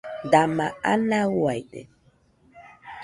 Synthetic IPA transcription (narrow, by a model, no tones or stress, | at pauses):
damaa̰nawajɗɛ̰